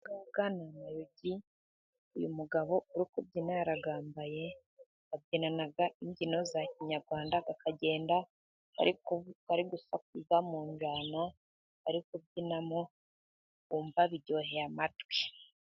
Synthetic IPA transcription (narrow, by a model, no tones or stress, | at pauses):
ɡabɡanamajoɟi | ujṵmuɡaβo̞uɾikubɟinaɾaɡaːmbaje̞ | abɟinanaɡaiɲɟino̞zaciɲaɾɡwaːndaɡakaɟe̞ːnda | a̰ɾikkaɾiɡusak̚uzamuːɲd͡ʒaːna | aɾikubɟinamo | uːmbaβiɾɟo̞ːɦejamatwi